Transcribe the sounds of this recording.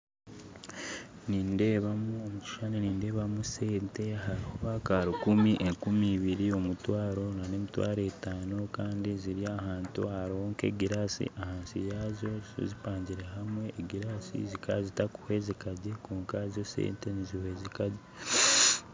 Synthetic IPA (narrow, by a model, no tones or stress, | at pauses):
niːnde̞ːβamuomuci̥ʃaneniːnde̞ːβamuseːnte̞aɦaɾihoβakaːɾukumiʔeŋkumiːβiɾio̞mutwaːɾo̞nane̞ːmitwa̰ːɾetaːno̞kaːndiziɾiahaːntwaaɾooːŋke̞̰ɡiɾaːsḭʔahaːnsijazo̞o̰zipaːɲɟiɾe̞ɦamwe̞ːɡiɾaːsḭzikazitaku̥hwe̞zikaɟekoːŋkazosḛːnte̞nizihwe̞zikaɟe